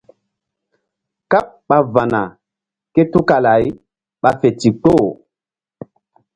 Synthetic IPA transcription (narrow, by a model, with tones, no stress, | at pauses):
ka˦p̚ | ɓa˦va˨na˨ | ke˦tu˦ka˨la˨˦j | ɓa˨fe˨ti˨to˦˨